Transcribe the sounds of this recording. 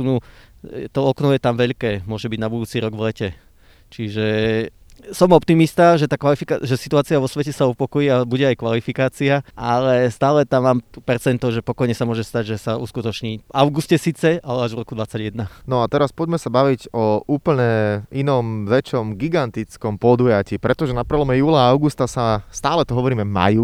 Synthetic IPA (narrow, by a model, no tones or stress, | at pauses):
nu | t̪ɔɔknɔjɛt̪amʋɛʎkɛːmʊɔʒɛbiɟnabud̪uːt͡siɾɔɡʋlɛcɛ | t͡ʃiʒɛ | sɔmɔpt̪imist̪aʒɛt̪aːkʋalifikaʒɛsit̪uaːt͡siaʋɔsʋɛcɛsaupɔkɔjiːabuɟɛajkʋalifikaːt͡siaʔa̰lɛst̪aːlɛt̪amːaːmt̪upɛrt͡sɛnt̪ɔʒɛpɔkɔjɲɛsamʊɔʒɛst̪aɟʒɛsaṵskut̪ɔt͡ʃɲiːʋaʊɡuscɛsiːt͡sɛalɛaʒʋrɔkud̪ʋat͡saɟjɛd̪nanɔat̪ɛɾaspɔɟmɛsabaʋiɟɔʔuːpl̩ɲɛinɔmʋɛt͡ʃɔmɡiɡant̪it͡skɔmpɔd̪ujaciːpɾɛt̪ɔʒɛnapɾɛlɔmɛjuːlaaʊɡust̪asast̪aːlɛt̪ɔɦɔʋɔɾiːmɛma̰ju